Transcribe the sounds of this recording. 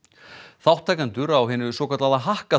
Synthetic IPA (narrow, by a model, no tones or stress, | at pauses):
θawht̪ʰːaːjkant̪ʏɾaːwɦɪːnʏsɔːkʰḁɾt̪laːðaɦahka